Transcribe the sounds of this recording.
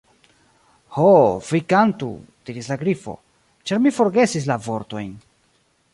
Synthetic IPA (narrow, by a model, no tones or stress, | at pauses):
hofikantṵd̥iɾislaɡɾifo̞̰ | t͡ʃaɾmifo̞ɾɡe̞sis̬lavo̞ɾto̞jn